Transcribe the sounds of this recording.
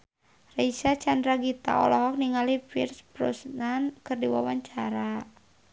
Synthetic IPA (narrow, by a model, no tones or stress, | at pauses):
raisat͡ʃandɾaɡit̪a̰ɔ̰lɔɦɔk̚niŋalipḭrspɾṵsnankɨrdiwa̰waɲt͡ʃaɾa